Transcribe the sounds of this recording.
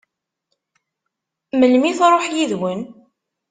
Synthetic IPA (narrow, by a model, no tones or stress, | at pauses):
məlmiθɾˤoħjiðwən